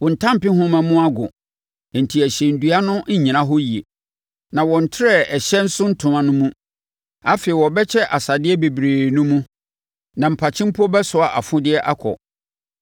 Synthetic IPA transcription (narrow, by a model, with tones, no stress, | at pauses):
wɔ̃˨n̩˨tʰã˦m˨pɪ˦ɦʊ̃˦mã˨mũ˦a˦ɡʊ̰̃˨ | n̩˨tʰi˨æ˨ɕɛ̃˨n̩˨du˦a˦nʊ̃˦ɲĩ˨nã˦ɦɔ˦ji˨e˨ | nã˨wɔ̃˨n̩˨tʰɪ˦ɾɛ˦ɛ˨ɕɛ˦n̩˦sʊ̃˦n̩˦tʰʊ̃˨mã˨nʊ̃˦mũ˦ | a˦fe˨i˨wɔ˨bɛ˦t͡ɕʰɛ˦ʔa˨sa˨dɪ˦ɛ˦be˨bɾeː˨nʊ̃˦mũ˦ | nã˨m̩˨pʰa˨t͡ɕʰɪ̃˦m˦pʰʊ˦ɔ˦bɛ˦sʊ˨a˨ʔa˨fʊ̃˦dɪ˦ɛ˦ʔa˦kʰɔ̰˨